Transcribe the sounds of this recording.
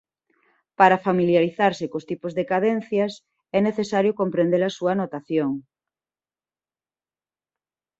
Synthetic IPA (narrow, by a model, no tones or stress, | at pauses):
paɾafamiljaɾiθaɾsekost̪ipozðekaðen̟θjas | ɛneθesaɾjokompɾend̪eɾasuanot̪aθjoŋ